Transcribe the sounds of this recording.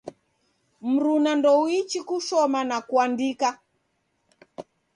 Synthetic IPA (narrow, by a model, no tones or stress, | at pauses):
m̩ɾunandɔwit͡ʃikuʃɔmanakuandika